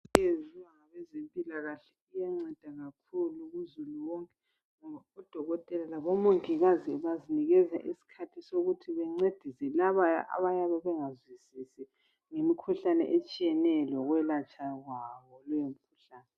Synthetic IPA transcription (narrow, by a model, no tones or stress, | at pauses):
eziwaŋaβɛzempʼilaɣaɬɛujaŋ͡ǀɛd̥ʱaɣakʰuluɣuzuluwɔŋkʼɛ | ŋɔβaɔd̥ʱɔɣɔtʼɛlalaβɔmoŋiɣaziβaziniɣɛza̰ʔisi̥kʰatʰisoɣutʰiβɛŋ͡ǀed̥ʱisɛlaβaa̰βajaβɛβɛŋazwisisɛ | ŋemikʰuɬanɛ̰ʔet͡ʃʼijɛnɛlɔɣwɛlat͡ʃʼaɣwaβɔlɛjomikʰuɬaːnɛ